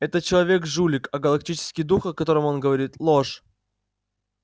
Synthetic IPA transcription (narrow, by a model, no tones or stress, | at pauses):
ɛt̪ət͡ɕɪlˠɐvʲe̞kʐulʲɪkɐɡəlˠɐk̚tʲit͡ɕɪ̥skʲijd̪uxɐkɐt̪o̞ɾəmo̞nɡəvɐɾʲit̪lˠoʂ